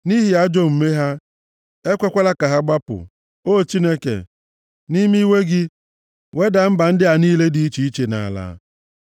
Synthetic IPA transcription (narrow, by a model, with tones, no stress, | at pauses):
ni˦ɦɪ˨a˦d͡ʒo˦m̩˨me˦ɦa˦ | e˦kʷe˦kʷa˦la˦ka˨ɦa˦ɡ͡ba˦pʊ̰˨ | o˦˨t͡ʃi˦ne˦kḛ˨ | ni˦mi˦we˦ɡɪ˦ | we˦da˨m̩˦ba˨n̩˦dɪ˦a˨niː˦le˦di˨i˦t͡ʃi˨i˦t͡ʃe˨na̰˨a̰˨la̰˦